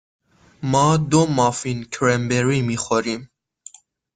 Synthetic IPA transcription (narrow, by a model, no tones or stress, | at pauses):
mɑːd̪omɑːfinkʰɾembeɾimiːxoɾiːm